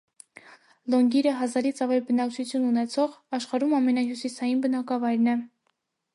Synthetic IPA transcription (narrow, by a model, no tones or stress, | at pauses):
lɔŋɡiɾəɦɑzɑɾit͡sʰɑvɛlbənɑkt͡ʃʰut͡sʰjununɛt͡sʰɔʁɑʃχɑɾumɑmɛnɑɦjusisɑjinbənɑkɑvɑjɾnɛ